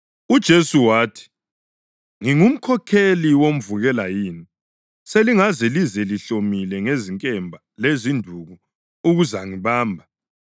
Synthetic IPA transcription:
ud̥ʒ̥ʱesuwaːtʰi̥ | ŋiŋum̩kʰɔkʰeliwom̩vuɣɛlajiːni | seliŋazɛlizɛliɬomilɛŋeziŋkʼɛmbʱa | lezindʱuɣu | uɣuzaŋiβaːmbʱa

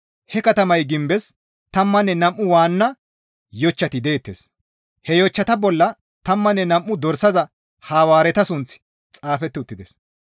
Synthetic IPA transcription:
hɛkɐt̪ɐmɐjɡɪmbɛs | t̪ɐmːɐnːɛnɐmʔʊwaːnːɐ | jɔt͡ʃːɐt̪ɪd̪eːt̪ːḛs | hɛjɔt͡ʃːɐt̪ɐbɔlːɐ | t̪ɐmːɐnːɛnɐmʔːʊd̪ɔɾsɐzɐ | haːwaːɾɛt̪ɐsʊnt͡sɪ̥ | t͡sʼaːfɛt̪ːɪʊt̪ːɪd̪ɛs

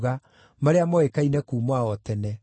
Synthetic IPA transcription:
ɣa | maɾeamɔekainɛkuːmwaɔtɛnɛ

